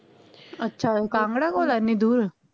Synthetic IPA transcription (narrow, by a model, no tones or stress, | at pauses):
ətːʃʰaːkãːŋɡɽaːkoːlaːɪnːĩːd̪uːɾ